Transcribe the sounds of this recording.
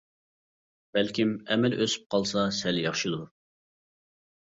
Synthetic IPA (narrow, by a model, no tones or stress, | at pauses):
b̥ælkʲimɛmɛlʔøsy̥p̚qʰɑlˠsɑsɛljɑχʃid̪u